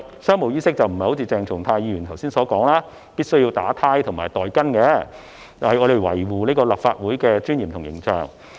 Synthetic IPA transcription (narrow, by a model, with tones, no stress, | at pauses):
sœː˥ŋmo˨˩wjiː˥sɪ˥k̚t͡sɐ˨wm̩˨˩hjho˨˥t͡sʰi˧t͡sɛː˨˧ŋt͡sʰʊ˨ŋt̪ʰaː˧jiː˨˧jɥyː˨˩nt̪ʰɐ˨˩wsiː˥nsɔː˨˥kɔː˨˥ŋlaː˥ | piː˥t̚sɵ˥ɥji˧wt̪aː˨˥t̪ʰaː˥jt̪ʰʊ˨˩ŋma̰ː˨˩jt̪ɔː˨jkɐ˥nkɛ˨˧ | t͡sɐ˨hɐ˨jʔɔː˨˧ɾe˨jwɐ̰˨˩jwuː˨neː˥kɔː˧la˨p̚fa̰ː˧t̚wuː˨˥jkɛː˧t͡ʃyː˥njiː˨˩mt̪ʰʊ˨˩jɪ̰˨˩ŋt͡ʃœ̰ː˨˩ŋ